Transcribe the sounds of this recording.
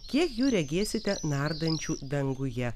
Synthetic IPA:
kʲiɛkjuːɾʲɛɡʲeːsʲɪt̪ʲɛnɑɾd̪ɐnʲt͡ʃʲuːd̪ɐŋɡʊjɛ

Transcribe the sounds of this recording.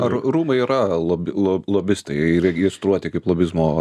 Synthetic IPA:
ɐrruːmɐɪiːɾɐlˠobʲlˠolˠoːbʲɪst̪ɐɪɾɛɡʲiɛst̪ɾuɔt̪ʲɪkɐɪplˠoːbʲɪzmoː

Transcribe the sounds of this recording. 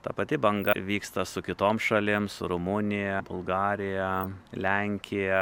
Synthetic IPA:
t̪ɐpɐt̪ʲɪbɐŋɡɐʋʲiːkst̪ɐsʊkʲɪt̪oːmsʃɐlʲɪmsʊ̰ɾʊmʊnʲɪjɛbʊlˠɡɑːɾʲɪjɛlʲɛŋʲkʲɪjɛ

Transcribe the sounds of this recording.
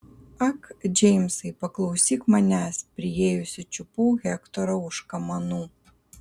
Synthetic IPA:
akd͡ʒejmsɨjpɐklˠɐwsʲixmɐnʲasʲpɾʲijejusʲɐt͡ʃʊpuɣʲɛkt̪ɔɾɐuʂkɐmɐnu

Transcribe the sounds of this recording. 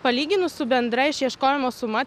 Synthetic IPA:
pɐlʲiːɡʲɪnʊssʊbʲɛnd̪ɾɐɪɪʃjiɛʃkoːjɛmoːsʊmɑːt̪

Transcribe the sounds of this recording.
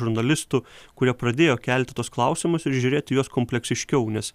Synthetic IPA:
ʊɾnɐlʲɪst̪ʊkʊɾʲiɛpɾɐd̪ʲeːjoːkʲɛlʲt̪ʲɪt̪uɔsklˠɐʊsʲɪmʊsɪɾʒʲʊɾʲeːt̪ʲɪjuɔskoːmʲpʲlʲɛksʲɪʃʲkʲɛʊnʲɛs

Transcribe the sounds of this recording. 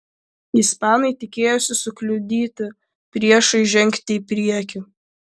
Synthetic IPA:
ispɑːnɐɪt̪ʲɪkʲeːjosʲɪsʊklʲʊd̪ʲiːt̪ʲɪ | pʲɾʲiɛʃɐɪʒʲɛŋʲkʲt̪ʲɪipʲɾʲiɛkʲu

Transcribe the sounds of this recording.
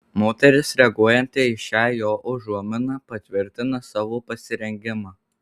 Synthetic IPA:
moːt̪ʲɛɾʲɪsɾʲɛɡuɔjɛnʲt̪ʲɪɪʃʲæːjoːʔʊʒuɔmʲɪnɑpɐt̪ʲʋʲɪɾʲt̪ʲɪnɐsɑːʋoːpɐsʲɪɾʲɛŋʲɡʲɪmɑː

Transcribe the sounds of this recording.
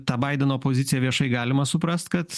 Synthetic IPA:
t̪ɑːbɐɪd̪ʲɛnoːpoːzʲɪt̪sʲɪjɛʋʲiɛʃɐɪɡɑːlʲɪmɐsʊpɾɐst̪kɐt̪

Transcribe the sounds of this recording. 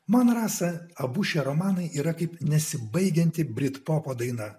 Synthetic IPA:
monɐɾɑːsɐɐbʊʃʲeɾomɑːnɐɪʔiːɾɐkɐɪpnʲɛsʲɪbɐɪɡʲɛnʲt̪ʲɪbʲɾʲɪt̪poːpoːd̪ɐɪnɐ

